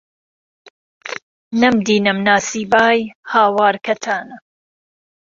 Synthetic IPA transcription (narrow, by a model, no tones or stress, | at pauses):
nɐmd̪iːnɨmnaːsiːbaːjhaːwaːɾkʰɐt̪ʰaːnɐ